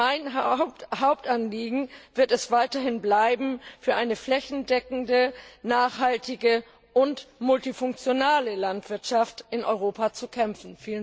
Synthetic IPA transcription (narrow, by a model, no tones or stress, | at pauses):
maɪn | haʊp̚tʔanliːɡŋ̩v̥ɪɐtɛsv̥aɪtɐhɪnblaɪbm̩fyːɐʔaɪnəflɛçn̩dɛkŋ̩dənaːχhaltɪɡə | ʔʊntmʊltifʊŋkt͡sjonaːləlantv̥ɪɐtʃaftʔɪnʔɔʏʁ̞oːpat͡sukʰɛmfn̩fiːlən